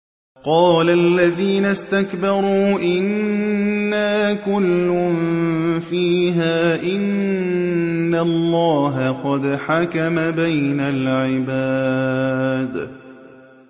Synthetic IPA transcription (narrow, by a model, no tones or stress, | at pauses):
qɑːlalːaðiːnast̪akbɑɾˤuːʔɪnː | aːkʊlːʊmfiːɦaːʔɪn | alˤːɑːɦaqɑd̪ħakamabajnalʕɪbaː | d̪